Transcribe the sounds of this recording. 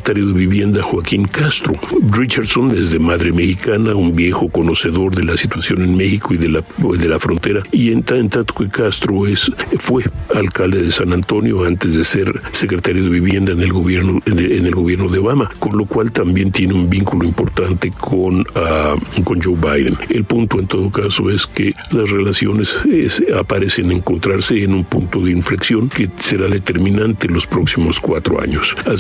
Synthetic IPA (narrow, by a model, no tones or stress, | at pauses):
et̪aɾjoðeβiβje̞nd̪axwakiŋkast̪ɾo̞̰rit͡ʃaɾsonezðe̞maðɾe̞mexikanaumbje̞xo̞ko̞no̞se̞ðo̞ɾðelasit̪wasjo̞nenme̞xiko̞iðelad̪e̞lafɾo̞nt̪e̞ɾaient̪aent̪at̪o̥kekast̪ɾoesfwe̞alkald̪eðesanant̪o̞njo̞ant̪ezðese̞ɾse̞kɾet̪aɾjo̞ðe̞βiβje̞nd̪aenelɣoβjeɾnoene̞lɣo̞βje̞ɾno̞ðeoβamako̞nlo̞kwalt̪ambje̞nt̪jeneumbiŋkuloimpo̞ɾt̪ant̪e̞kʰonako̞nd͡ʒowβajðḛnelpunt̪o̞ent̪o̞ðo̞kaso̞̰e̞ske | lasre̞lasjo̞ne̞sesapaɾe̞seneŋko̞nt̪ɾaɾse̞ːnumpunt̪o̞ðeiɱfleksjo̞ŋkese̞ɾaðe̞t̪e̞ɾmĩnant̪elo̞spɾo̞ksimo̞skwa̰t̪ɾo̰a̰ɲosa